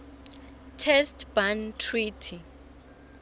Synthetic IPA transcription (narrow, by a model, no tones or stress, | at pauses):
tʰɛstb̥antʰritʰi